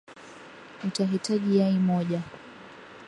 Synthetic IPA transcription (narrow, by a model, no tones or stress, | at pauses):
utaɦitaʄijaimɔʄa